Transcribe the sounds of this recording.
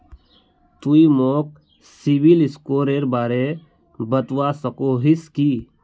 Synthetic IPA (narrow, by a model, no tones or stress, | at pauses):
t̪uimoːk̚ | siʋilɪskoːɾeɾbaːɾe | bət̪wasəkoɦiskiː